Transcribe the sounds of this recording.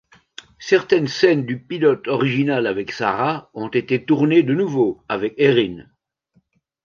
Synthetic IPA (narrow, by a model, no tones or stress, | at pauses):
sɛʁt̪ɛnsɛnd̪ypilɔt̪ɔʁiʒinalavɛksa̰ʁaɔ̃t̪et̪et̪uʁned̪ənuvoavɛkeʁin